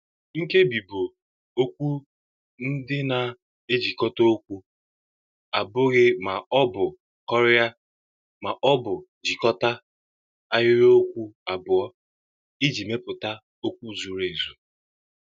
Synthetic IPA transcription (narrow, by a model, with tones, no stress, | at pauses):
ŋ̩˦ke˦bi˨bo˨ | o˦kʷu˦ | n̩˦dɪ˦na˨ | e˦d͡ʒi˨kɔ˦to˦o˦kʷu˦ | a˨bʊ˦ɣɪ˦ma˨ɔ˦bʊ˨ | kɔ˦ɾɪ˦ja˦ | ma˨ʔɔ˦bʊ˨ | d͡ʒi˨kɔ˦ta˦ | a˦ɦɪ˦ɾo˦kʷu˦a˨bʊ˨ɔ˦ | ɪ˦d͡ʒi˨me˦pʊ˨ta˦ | o˦kʷu˦˨zu˨ɾe˨zu˨